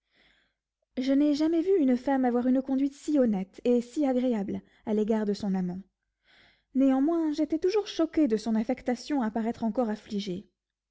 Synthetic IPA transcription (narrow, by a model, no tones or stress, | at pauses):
ʒənɛʒamɛvyynfamavwaʁynəkɔ̃d̪ɥit̪siɔnɛt̪esiaɡʁeabl | aleɡaʁd̪əsɔ̃namɑ̃ | neɑ̃mwɛ̃ʒet̪ɛt̪uʒuʁʃɔkʲed̪əsɔ̃nafɛkt̪asjɔ̃apaʁɛt̪χɑ̃kɔʁafliʒe